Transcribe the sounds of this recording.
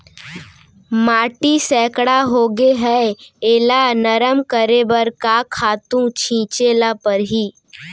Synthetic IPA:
maːʈisɛːkɽaɦoːɡeɦɛeːlanəɾəmkəɾeːbəɾkakʰaːt̪ũt͡ʃʰĩːt͡ʃeːlapəɾɦiː

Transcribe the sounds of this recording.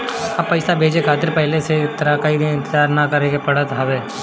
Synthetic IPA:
ɐpːəɪsabʱeːd͡ʒekʰaːt̪ɪɾpɛɦleset̪əɾakaiɪ̃nt̪ɪd͡ʒaːɾnakəɾekepɐɽat̪ɦaːbeː

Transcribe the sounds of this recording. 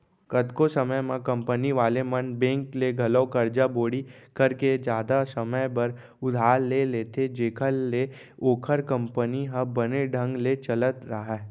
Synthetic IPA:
kət̪kosəməjmãkɐ̃mpəniʋaːlemənbẽːŋkleɡʱɐləːkɐɾd͡ʒaboːɽikɐɾked͡ʒjaːd̪asəməjbɐɾ | ʊd̪ʱaːɾleleːt̪ʰed͡ʒeːkʰəlːe | oːkʰəɾkə̃mpəniɦəbəneɖʱə̃ŋɡlet͡ʃələt̪ɾɐɦaɛ

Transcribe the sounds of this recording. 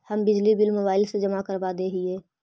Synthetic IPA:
hɐmbɪd͡ʒlibɪlmoːbaːɪlsed͡ʒɐmakəɾbad̪eːɦieː

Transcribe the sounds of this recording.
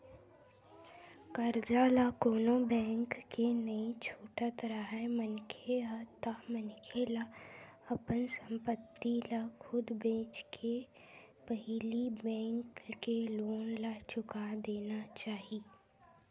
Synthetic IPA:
kəɾd͡ʒalakoːnobɛ̃ːŋkːenɐĩt͡ʃʰuːʈət̪ɾaɦɛmənkʰeat̪amənkʰelaɐpənsə̃mpət̪ːilakʰʊd̪bẽːt͡ʃkʰe | pəɦɪlibɛ̃ːŋkkeloːnlat͡ʃʊkad̪eːnat͡ʃaːɦi

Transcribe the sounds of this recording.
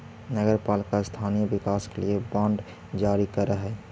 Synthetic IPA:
nəɡəɾpalikast̪ʰanijəbikaskeliebãɳɖ | d͡ʒaɾikəɾəɦɛ

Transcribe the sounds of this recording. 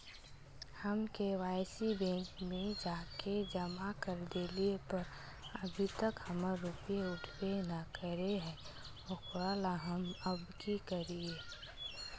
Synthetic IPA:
həmkewaːɪsibɛ̃ːŋkmẽd͡ʒaːked͡ʒəmakəɾd̪eːliepəɾ | əbʱit̪əkhəməɾːupijeʊʈʰwenəkəɾeɦɛ̃ | okʊɾalaɦəməbdikəɾieː

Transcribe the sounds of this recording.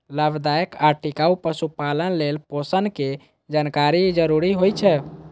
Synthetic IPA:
ləbd̪aəkaʈikaupəsupalənlelposənke | d͡ʒankaɾid͡ʒəɾuɾiɦojt͡ʃʰɛ

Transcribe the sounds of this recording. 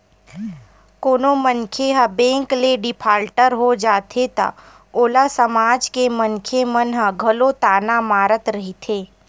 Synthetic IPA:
koːnomənkʰeɦɐbẽːŋkleɖɪpʰaːɾʈəɾɦod͡ʒaːt̪ʰet̪a̰ | oːlasəmaːd͡ʒkemənkʰemənɦə̃ɡʱɐlot̪aːnamaːɾət̪ɾɐɦit̪ʰeː

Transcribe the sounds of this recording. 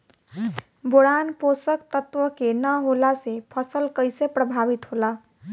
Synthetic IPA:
boɽanposəkt̪ət̪wəkenəɦolasepʰəsəlkəjsepɾəbʱabit̪ɦola

